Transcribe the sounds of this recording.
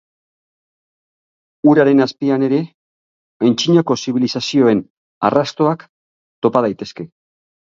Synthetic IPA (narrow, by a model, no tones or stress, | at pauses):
uɾaɾe̞naspiane̞ɾe̞ | ent͡ʃiɲoko̞siβ̞ilisasio̞e̞n | a̰rast̪o̞ak | t̪o̞pað̞ajt̪e̞ske̞